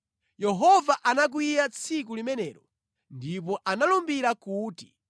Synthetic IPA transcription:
jɛɦɔvaʔanak̬wijat͡sʰik̬ulimɛnɛːɾɔ | ndip̬ɔʔanalumbiɾakuːti̥̰

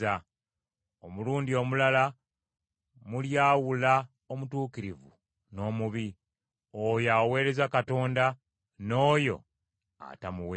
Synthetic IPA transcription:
a | omuluːndio̞mulala | muljaːwula | omutuːkiɾivṵ | no̞ːmuβi | ojawe̞ːɾe̞zakato̞ːnda | no̞ːjo̞̰ | a̰tamuwe

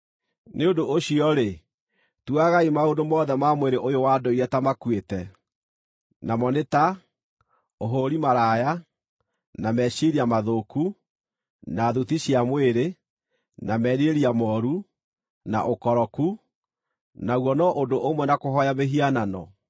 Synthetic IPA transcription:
neondoʔoɕiɔɾe | tuaɣaimaodomɔːðɛmamweɾeʔojowadoiɾɛtamakwetɛ | namɔneta | oɦoɾimaɾaːja | namɛɕiɾiamaðoku | naːðutiɕiamweɾe | namɛniɾeɾiamɔːɾu | na̰ʔokɔɾɔku | nawɔnɔʔondoʔomwɛnakoɦɔjameɦiananɔ̰

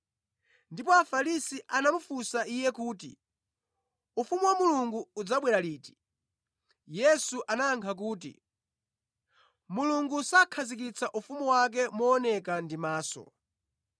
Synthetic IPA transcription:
ndipɔafaɾisiʔanamufusaijɛkuːtḭ | ufumuwamuluŋɡuːd͡zaɓwɛɾaliːti̥ | jɛsuʔanaːŋkʰak̬uːt̬ḭ | muluŋɡusakʰazik̬it͡sʰaʔufumuwak̬ɛmɔːnɛkandimaːsɔ̰

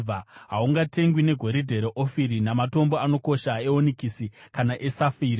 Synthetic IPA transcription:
aɦauŋɡate̞ŋɡwine̞ɡʱo̞ɾidʱe̞ɾeʔofiɾinamato̞mbo̞ano̞ko̞ʃae̞onikisikanaʔe̞safiːɾi

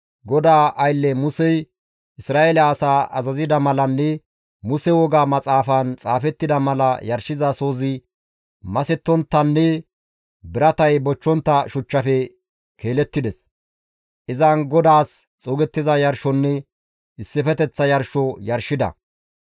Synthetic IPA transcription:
ɡɔd̪aːʔɐjlːɛmʊsɛj | ʔɪsɾaːʔelɐːsaːʔɐzɐzɪd̪ɐmɐlɐnːɛ | mʊsɛwɔɡaːmɐt͡sʼaːfaːnt͡sʼaːfɛt̪ːɪd̪ɐmɐlɐjɐɾʃɪzɐso̞ːzɪ | mɐsɛt̪ːɔnt̪ːɐnːɛ | bɪɾɐt̪ɐjbɔt͡ʃːɔnt̪ːɐʃʊt͡ʃːɐfɛ | kʰe̞ːlɛt̪ːɪd̪ɛs | ʔɪzɐnɡɔd̪aːs | t͡sʼoːɡɛt̪ːɪzɐjɐɾʃɔnːɛ | ɪsːɪfɛt̪ɛt͡sːɐjɐɾʃɔjɐɾʃɪd̪ɐ̰

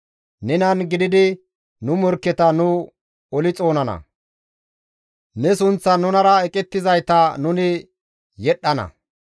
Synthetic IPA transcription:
nɛnɐnɡɪd̪ɪd̪ɪ | nʊmɔɾkːɛt̪ɐnʊ | ɔlɪt͡sʼo̞ːnɐnɐ̰ | nɛsʊnt͡sːɐnʊnɐɾɐɛkʼɛt̪ːɪzɐjt̪ɐnʊnɪ | jɛɗːɐnɐ̰

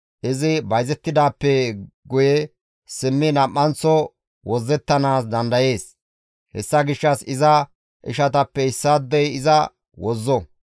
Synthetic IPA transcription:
ʔɪzɪbɐjzɛt̪ːɪd̪aːpːɛɡʊjɛ | sɪmːɪnɐʔːɐnt͡sːɔ | wɔzːɛt̪ːɐnaːsd̪ɐnd̪ɐje̞ːs | hɛ̰sːɐɡɪʃːɐsɪzɐ | ʔɪ̰ʃɐt̪ɐpːɛɪsːad̪ːɛjɪzɐ | wɔzːɔ

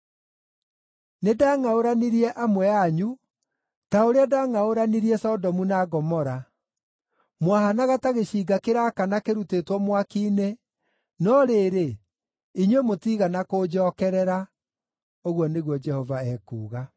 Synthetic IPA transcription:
nedaːŋaoɾaniɾiɛʔamwɛaɲu | taoɾeadaːŋaoɾaniɾiɛsɔdɔmunaɡɔmɔɾa | mwahanaɣataɣeɕiɡakeɾakanakeɾutetwɔmwakiːne | nɔɾeːɾe | iɲwemotiːɣanakoːd͡ʒɔːkɛɾɛɾa | oɣwɔneɣwɔd͡ʒɛhɔvaɛːkṵːɣa

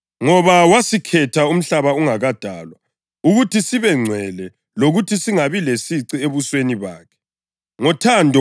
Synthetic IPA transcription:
ŋɔβawasikʰɛtʰaum̩ɬaβauŋaɣad̥ʱa̰ːlwa | uɣutʰisiβɛŋ͡ǀʱɛlɛ | loɣutʰisiŋaβilesiǀieβusweniβa̰ːkʰɛ̥ | ŋɔtʰandʱɔ

